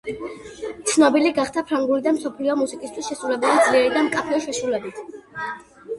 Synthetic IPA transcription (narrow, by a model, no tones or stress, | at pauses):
t̪sʰnɔbiliɡaχd̪ʰapʰɾaŋɡulid̪amsɔpʰliɔmusikʼist̪ʰwisʃɛsɾulɛbulid̪zliɛɾid̪amkʼapʰɛiʃɛʃulɛbit̪ʰ